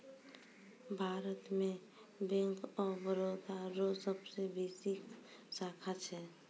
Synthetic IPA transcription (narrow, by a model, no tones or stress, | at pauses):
bʱaːɾət̪mẽ | bɛ̃ŋkɔːɾbəɾod̪aɾosəbsebeːsiksaːkʰat͡ʃʰɛ